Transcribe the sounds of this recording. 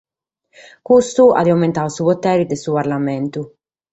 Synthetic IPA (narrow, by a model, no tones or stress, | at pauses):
kust̪ua̰d̪iawment̪aːusupot̪ːɛːɾid̪esuːparlamɛnt̪u